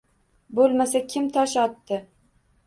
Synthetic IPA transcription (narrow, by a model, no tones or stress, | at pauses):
bolˠmasakʲʰɪmt̪ʰɒʃɒt̪ːɪ